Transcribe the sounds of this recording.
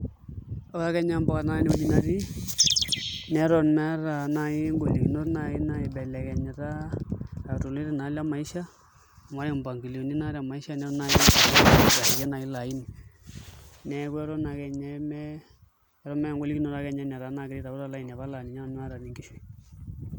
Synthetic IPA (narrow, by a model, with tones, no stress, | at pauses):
ɔ˦a˦kɛ˦ɲa˦mbɔ˦ka˨na˦ni˦o˦ni˦na˨ɾi˦ | nɛ˨˦ɾɔ˨nmɛ˦ɾa˨na˨ɪ˦ŋɡo˨li˨kno˦rna˨ɪ˦na˨ɪ˨bɛ˨lɛ˨kɛ˨ɲɛ˨ɾaː˦˨ | to˨le˦ɾe˨na˨˦la˦ma˨i˦ʃa˦˨ | ma˦ɾe˨mba˨ŋɡi˨li˨o˨ni˦na˦ɾa˨ma˨i˦ʃa˦nɛ˦ɔ˦na˨jɪ˦a˨˦˨la˨i˨jɛ˦na˨i˦la˨i˦ni˨ | nɛ˨kwɛ˦ɾɔ˦na˨kɛ˨ɲa˦mɛ˦ | ɾɔ˦mɛ˦ŋɡo˦li˦kno˨ɾa˨˦kɛ˨ɲa˦nɛ˨ɾa˨˦na˨kɪ˨ɾi˦ta˨ku˦ɾa˨˦la˨i˨n˨a˨βa˦la˨ni˨ɲa˦˨n˦a˦ɾa˨ni˨ŋɡi˦ʃi˨